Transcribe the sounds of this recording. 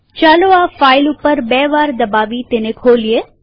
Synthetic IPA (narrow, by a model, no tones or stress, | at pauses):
t͡ʃaːloafailupəɾbɛːʋaːɾd̪əbaʋit̪enekʰoːlije